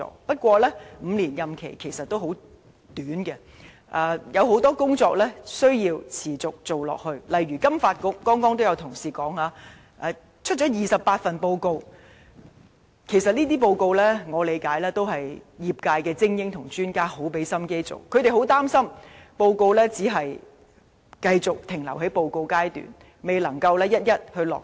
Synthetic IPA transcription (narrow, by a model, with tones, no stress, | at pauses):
ɔ̰ː˨˥pɐ˥t̚kʷɔː˧lɛː˥m̩ː˨˧liː˨˩njɐ˨mkʰḛ˨˩jkʰe˨˩jsɐ˨t̚t̪o˥wɦo˨˥w | t̪yː˨˥nkɛ˧ | ʔaː˨˧jɐ˨˧wɦo˨˥wt̪ɔː˥kʊ˥ŋt͡sɔː˧k̚lɛː˥sɵ˥ɥjiː˧wt͡sʰiː˨˩t͡sʊ˨k̚t͡so˨wlɔ̰ː˨k̚hɵ˧ɥlɐ˨jɥyː˨˩kɐ˥mfaː˧t̚kʊ˨˥k̚ːɔː˥ŋkɔː˥ŋt̪o˥wjɐ˨˧wt̪ʰʊ˨˩ŋsiː˨kɔː˨˥ŋaː˨˦ | ʔɛ˨˧ | t͡ʃʰɵ˥t̚t͡ʃɔː˨˥jiː˨sɐ˨p̚pːaː˧t̚fɐ˨˩npo˧wko˧w | kʰe˨˩jsɐ˨t̚liː˥t̪̬iː˥p̬o˧wko˧wlɛː˥ŋɔː˨˧le˨˧jkaː˨˥jlɛː˥t̪o˥wɦɐ˨jjiː˨p̚kaː˧jkɛː˧t͡sɪ˥ŋjɪ˥ŋt̪ʰʊ˨˩ŋt͡ʃyː˥nkaː˥ho˨˥wpe˨˥jsɐ˥mke˥jt͡so̰˨˩wkʰɵ˨˧t̪e˨˩ɦo˨˥wt̪aː˥msɐ˥mpo˧wko˧wlɛː˥t͡siː˨˥ɦɐ˨j | kɐ˧jt͡sʊ˨k̚t̪ʰɪ˨˩ŋlɐ˨˩wɦe˨˥jpo˧wko˧wkaː˥jt̪y̰ː˨˩n | me˨jlɐ˨˩ŋkɐ˧wlɛː˥jɐ˥t̚jɐ˥t̚hɵ˧ɥlɔ̰ː˨k